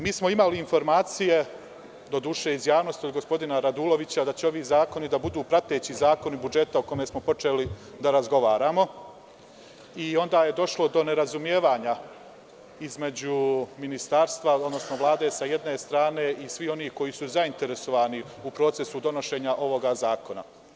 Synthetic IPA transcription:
miːsmo̞imaliːnfo̞ɾmaːt̪sije̞ | d̪o̞d̪uːʃeizjaːʋno̞st̪iod̪ɡo̞spo̞d̪inaɾad̪uːlo̞ʋit͡ɕad̪at͡ɕeo̞ʋiːzaːko̞nid̪abud̪uːpɾat̪e̞ːt͡ɕizaːko̞nibud͡ʒe̞t̪aoko̞me̞smo̞po̞t͡ʃe̞ːli | d̪aɾazɡo̞ʋaːɾaːmo̞ | io̞nd̪aːje̞d̪o̞ʃlˠo̞d̪o̞ne̞ɾazumjeːʋaːɲa | izme̞d͡ʑuminist̪aɾst̪ʋaod̪no̞sno̞ʋlˠaːd̪e̞sajed̪ne̞st̪ɾaːneʔisʋio̞niːhko̞jiːsuzaint̪e̞ɾe̞so̞ʋaːni | upɾo̞ːt̪se̞sud̪o̞no̞ʃe̞ːɲaʔo̞ʋo̞ɡazaːko̞na̰

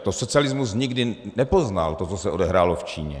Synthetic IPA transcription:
t̪osot͡sialɪzmus̬ɲɪɡdɪnɛpozna̰lt̪ot͡sosɛʔodɛɦɾaːloft͡ʃḭːɲɛ̰

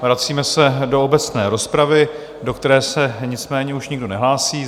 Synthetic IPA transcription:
vɾat͡siːmɛsɛdo̞obɛt͡snɛːɾo̞spɾavɪ | do̞kt̪ɛɾɛːsɛɲɪt͡smɛːɲɛuʃɲɪɡdo̞nɛɦlaːsiː

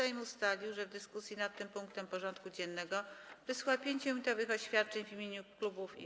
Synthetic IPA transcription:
ajmʲust̪alʲiwʐɛvd̪ɘskusʲjinat̪ːɘmpuŋkt̪ɛmpɔʐɔnt̪kud͡ʑɛnːɛɡɔvɘswapʲjeɲt͡ɕɛ̃t̪ɔvɘxɔɕfʲjat̪̚t͡ʂɛɲvimʲjeɲuklubufḭ

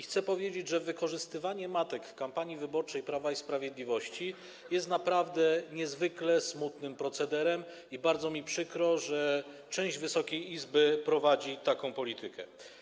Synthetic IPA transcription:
xt̪sɛpɔvʲjed͡ʑed͡ʑʐɛvɘkɔʐɘst̪ɘvaɲɛmat̪ɛkfkampaɲivɘbɔɾt͡ʂɛjpɾavaispɾavʲjed̪lʲivɔɕt͡ɕi | jɛst̪napɾavd̪ɛɲɛzvɘklɛsmut̪nɘmpɾɔt̪sɛd̪ɛɾɛm | ibaɾd̪zɔmʲipʂɘkɾɔʐɛ | t͡ʂɛ̃w̃ʑd͡ʑvɘsɔkʲejizbɘpɾɔvad͡ʑit̪akɔ̃w̃pɔlʲit̪ɘkʰɛ̰

